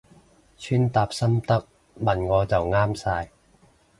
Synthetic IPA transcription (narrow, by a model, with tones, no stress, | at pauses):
t͡ʃʰyː˥nt̪aː˧p̚sɐ˥mt̪ɐ˥k̚ | mɐ˨nŋɔː˨˧t͡sɐ˨wŋaː˥msaː˧j